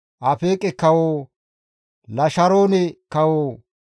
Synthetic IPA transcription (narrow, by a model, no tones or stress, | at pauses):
ʔɐfeːkʼɛkːɐwoː | lɐʃɐɾoːnɛkɐwoː